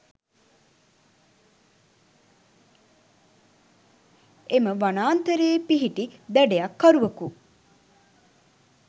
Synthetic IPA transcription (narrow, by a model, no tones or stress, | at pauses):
eməʋanaːnt̪əɾeːpiɦiʈid̪ɛɖejakːɐɾuʋɐku